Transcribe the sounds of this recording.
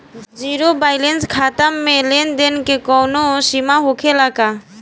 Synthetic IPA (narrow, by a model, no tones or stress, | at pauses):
d͡ʒiɾobajlenskʰat̪amːelend̪enkekɔwnosimaɦokʰelaka